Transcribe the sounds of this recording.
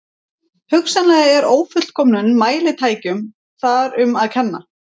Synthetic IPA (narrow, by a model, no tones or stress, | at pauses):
hʏksanlɛɣɛɾoːwfʏ̥kʰɔːmnʏnːaːjlɪt̪ʰaːjcʏm | θaɾʏmaðkʰɛnːa̰